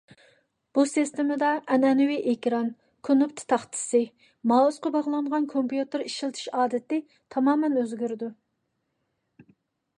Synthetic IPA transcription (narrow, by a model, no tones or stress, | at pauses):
b̥usist̪ɪmɪd̪ɑɛnɛnɪwiʔekʲɾɑn | kʰonupt̪ʰt̪ʰɑχt̪ʰɪ̥sɨ | mɑːusqɑbɑʁlˠɑŋʁɑnkʰompjut̪ɨɾiʃilˠt̪ʰɨ̥ʃɑːd̪ɪt̪ɪ | t̪ʰɑmɑːmɛnøzɡʲyɾɪd̪u